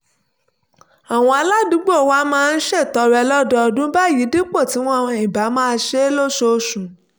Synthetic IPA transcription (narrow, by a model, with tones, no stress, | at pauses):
a˨w̃ɔ̃˧a˧la˦dũ˨˦ɡ͡bo˦o˨wa˦mãː˦˧n̩˦ʃe˦˨tɔ˧˦ɾɛ˧lɔ˦dɔ˧ɔ˧dũ˦ba˦˨ji˨˦di˦k͡po˦˨ti˨˦w̃ɔ̃˦˧i˦˨ba˨˦mãː˦˧˦ʃe˦lo˦ʃo˧ʃũ˨˦